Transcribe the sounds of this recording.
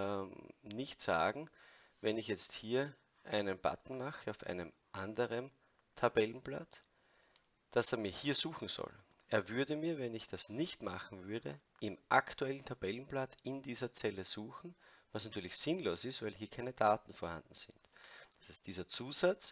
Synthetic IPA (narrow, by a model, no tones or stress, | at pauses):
nɪçtz̥a̰ːɡŋ̩ | vɛnɪçjɛt͡sthiːɐ | ʔæɪnənb̥a̰tn̩maxəaʊfæ̰ɪnəmʔandəʁən | tʰabɛlən̩bla̰t͡s | d̥aseːɐmiːɐhiːɐzuːxŋ̩z̥ɔ̰lʔeːɐvʏɐdəmiːɐvɛnɪçd̥asnɪçtma̰xŋ̩vʏɐdə̰ | ʔɪmʔaktuɛlən̩tʰab̥ɛlən̩blatɪndiːzɐt͡sɛləz̥uːxn̩vasnatʰyːɐlɪçsɪnloːsɪstvæɪlɦiːɐkʰaɪnəd̥aːtn̩foːɐhã̰ndn̩z̥ɪ̰ntd̥ḁshaɪstd̥iːzɐt͡suːzat͡s